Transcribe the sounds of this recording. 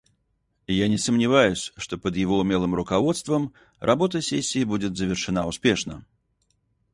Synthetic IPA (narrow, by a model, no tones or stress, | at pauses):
janʲɪsəmnʲɪvajʊsʲʂt̪ɔpəd̪jɪvoʊmʲelˠɨmɾʊkavɔt̪st̪vəm | rʔabot̪̬əsʲesʲːiːbud͡zʲɪt̪zəvʲɪrʂɨnaʊspʲeʂnə̰